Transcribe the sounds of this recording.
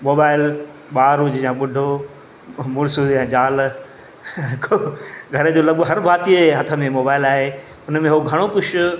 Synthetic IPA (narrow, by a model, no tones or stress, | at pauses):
moːbaːɪl | ɓaːɾuːd͡ʑɪjãːɓʊɖʱo | mʊɾsuɛ̃ːd͡ʑaːl | ɦɪkʰoɡʱɐɾəd͡ʑoːlɐɠoɦɐɾbʱaːt̪ieɦɐt̪ʰə̆mẽmoːbaːɪlaːɦe | ʊnmẽɦoɡʱɐɽ̃okʊt͡ɕʰʊ